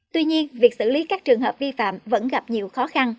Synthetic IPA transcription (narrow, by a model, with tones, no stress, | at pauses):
t̪wi˧ɲi˧ənvi˨˩ək̚sɨ̰˧˩li˨˦kaː˦˥k̚t͡ɕɨ˨˩ŋɦəː˨˩p̚vi˧fa̰ː˧˨mvə̰˧˥nɣa˨˩p̚ɲi˨˩əwxɔ˨˦xa˧n